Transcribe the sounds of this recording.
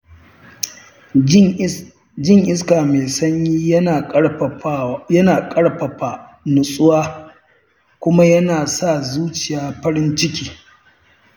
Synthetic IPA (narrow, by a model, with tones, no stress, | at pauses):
d͡ʒɪ˦˨ŋʔɪ˦s̬kaː˨meː˨sɐ˦ɲjiː˦˨˦ | jɐ˦naː˨kʼɐ˦ɽɸɐ˨ɸa˨nʊ˨sʼʊ˦waː˦ | kʷʊ˦ma˦jɐ˦naː˨sa˦˨zuː˦t͡ʃɪ˨jaː˨ɸɐ˦ɾɪ˦nt͡ʃɪ˦kʲiː˨